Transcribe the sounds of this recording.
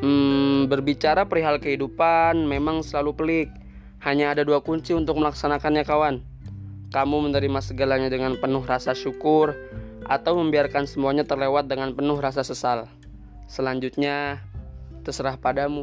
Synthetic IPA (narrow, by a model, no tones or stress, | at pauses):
bərbit͡ʃaɾapɾiɦalkəɦidupanmemaŋsəlalupəlɪk̚ | haɲaːdaduakuɲt͡ʃiunt̪ʊk̚məlaksanakanɲakawan | kamumənəɾimasəɡalaɲadəŋanpənʊɦrasaʃukʊrʔat̪awməmbiarkansəmuaɲat̪ərlewat̪̚dəŋanpənʊhrasasəsal | səlaɲd͡ʒut̪̚ɲa | t̪əsəɾahpadamu